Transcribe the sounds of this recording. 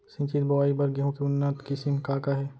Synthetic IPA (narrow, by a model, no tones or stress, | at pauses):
sɪ̃ːt͡ʃid̪bɐʋaːibɐɾɡiɦõkiʊnːat̪kisɪmkaːkaɦɛː